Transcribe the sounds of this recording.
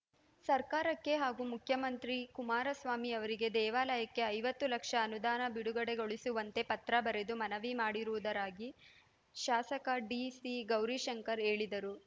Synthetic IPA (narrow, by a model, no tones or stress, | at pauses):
sɐɾkaːɾɐkːe̞ɦaːɡuːmukʰjɐmɐnt̪ɾikumaːɾɐsʋaːmiɐʋɐɾiɡe̞d̪ɛːʋaːlɐjɐkːe̞ɐjʋɐt̪ːulɐkʂɐːnud̪aːnɐbiɽuɡɐɽe̞ɡo̞ɭisuʋɐnt̪e̞pɐt̪ɾɐbɐɾe̞d̪umɐnɐʋimaːɽiɾuʋud̪ɐɾaːɡi | ʃaːsɐkɐɖiːsiɡɐwɾiʃɐŋkɐɾeːɭid̪ɐɾu